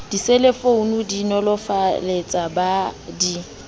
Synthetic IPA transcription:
d̥iselefounudinɔlɔfalet͡sʼabadi

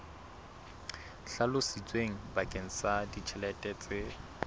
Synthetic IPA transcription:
ɬalʊsit͡sʼweŋ̩bakʼeŋ̩sadit͡ʃʰɛlɛtʼɛːt͡sʼɪ

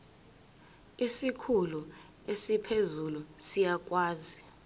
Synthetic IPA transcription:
isikʰulu | esipʰezulusijak̬ʼwaːzi

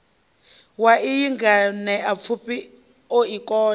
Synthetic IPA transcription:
waʔijiŋɡanɛʔap̪fʰupi | oikʼɔː

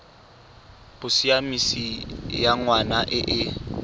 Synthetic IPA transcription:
b̥ʊsiamisijaŋwanaʔɪʔɪ

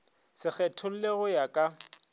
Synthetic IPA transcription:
sɪk͡xɛtʰʊl̩leɣʊjakʼa

